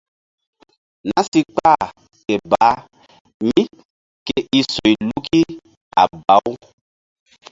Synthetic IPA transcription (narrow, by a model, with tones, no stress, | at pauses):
na˦si˦k͡pa˦˨ | ke˨ba˨˦ | mi˦ | ke˨i˦so˨jlu˦ki˦ | a̰˨ba˨˦w